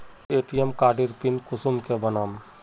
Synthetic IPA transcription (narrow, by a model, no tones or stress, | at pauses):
eːʈijemkaːɖiɾpinkʊsumkebɐnaːm